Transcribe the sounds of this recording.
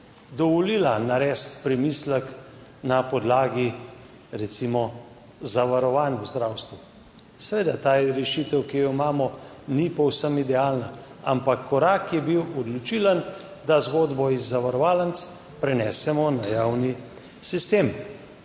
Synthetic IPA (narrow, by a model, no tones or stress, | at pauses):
d̪ɔʋɔliːlanaɾɛːst̪pɾɛmislɛk | napɔd̪laːɡi | ɾɛt̪simɔ | zaʋaɾɔʋaːnjuzd̪ɾawst̪ʋu | sɛʋeːd̪at̪aːjɛɾɛʃit̪əwkijɔimaːmɔnipɔwsəmid̪ɛaːlna | a̰mpakʰːɔɾaːkjɛbiwɔd̪lɔt͡ʃilan | d̪azɡoːd̪bɔizːaʋaɾɔʋaːlant̪s | pɾɛnɛːsɛmɔnajawni | sist̪eːm